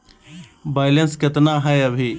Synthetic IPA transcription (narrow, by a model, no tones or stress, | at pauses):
baːjlenskɐt̪naːɦɐɐbʱi